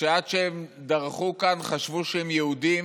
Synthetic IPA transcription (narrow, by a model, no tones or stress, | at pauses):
eadʃeem | d̪aʁχukanχaʃvuʃehemjeudim